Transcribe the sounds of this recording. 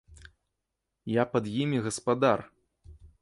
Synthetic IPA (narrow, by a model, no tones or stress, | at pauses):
japɐd̪jimʲiɣɐspad̪ar